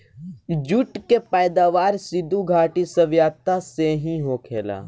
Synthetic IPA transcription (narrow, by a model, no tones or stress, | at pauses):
d͡ʒʊʈkepəjd̪aːʋaːɾsɪd̪uɡʱaːʈisɐʋjaːt̪aseɦĩɦoːkʰeːla̰ː